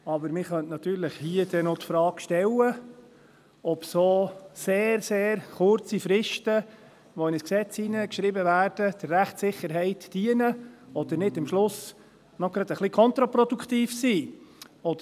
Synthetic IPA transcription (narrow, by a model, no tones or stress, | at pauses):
ɑbəɾmɪχœntnɑt̪yːɾləχhiəd̥̪ɛnot̪fɾɑːkʃtɛlə | ɔpsoːseːɾseːɾχʊɾt͡sifɾɪʃtə | ʋɔɪnəsksɛt͡sinəkʃɾɪbəvæːɾd̥əd̥̪əɾːæχtsɪχəɾɦɛɪtd̥iənəɔd̪əɾnɪdɪmʃlʊs | nɔɡɾɑd̪əχlikʰɔnt̪ɾapɾɔd̪ukχt̪iːfsiːɔdə